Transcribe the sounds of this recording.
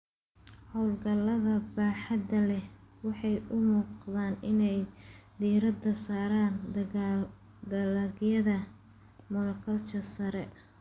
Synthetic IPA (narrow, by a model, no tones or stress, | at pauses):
hɔwlɡɐlɐðɐbaːħɑd̪ɐlɛwɑħɑjʔʊmuːqðaːnɪnɛjd̪iːɾɐd̪ɐsaːɾaːn | d̪ɐlɐɣjɐðɐ | mʊnɐkʰɐlt͡ʃɐsɐɾɛ